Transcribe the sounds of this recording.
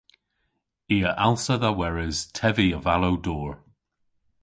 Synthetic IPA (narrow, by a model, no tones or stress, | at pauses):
iːəʔalˠsəðawɛɹəz̥tʰɛviəvalowdɔːɹ